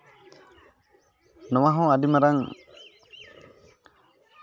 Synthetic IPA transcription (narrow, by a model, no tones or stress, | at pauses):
nɔwaɦɔ̃adimaɾaŋ